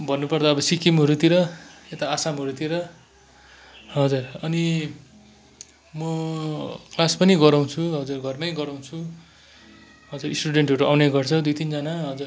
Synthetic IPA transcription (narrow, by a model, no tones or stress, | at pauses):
bʱʌnːupʌrd̪aʌbʌsikimɦʌɾut̪iɾʌet̪aːsamɦʌɾut̪iɾʌ | ɦʌd͡zurʌni | mʌ | klaspʌniɡʌɾaw̃t͡sʰuɦʌd͡zurɡʱʌrnʌjɡʌɾaw̃t͡sʰu | ɦʌd͡zurisʈuɽeɳʈɦoʈuʔawneɡʌrt͡sʰʌd̪ujt̪ind͡zʌnaɦʌd͡zur